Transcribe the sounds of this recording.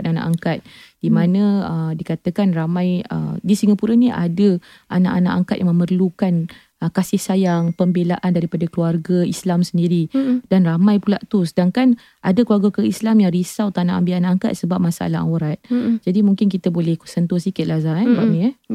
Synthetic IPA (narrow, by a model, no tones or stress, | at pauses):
ana̰ʔaŋkat̪̚d̥imãnə̃əmdikat̪əkanramãjə̰disiŋapuɾəniʔa̰də | ʔana̰ʔana̰ʔaŋkat̪̚jaŋmə̃mərlukan | kasɪhsajaŋpəmbelaʔandaɾipadakluarɡəislamsəndiɾidanramajpulaʔt̪usədaŋkan | ʔadəkluarɡakəislamjaŋrisawt̪anãʔambianaʔaŋka̰t̪̚səbap̚masaʔa̰laʔa̰wəɾat̪̚d͡ʒadimũŋkɪnk̬it̪əbolɛhsənt̪ʊsikɪt̪̚lazabaʔnia